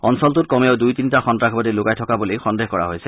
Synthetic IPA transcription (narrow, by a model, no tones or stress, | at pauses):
ɔnsɔltutkɔmeawdujtintaxɔntɾakʰbɔdiloɡajtʰɔkabɔlejxɔndexkɔɹa̰ɦojse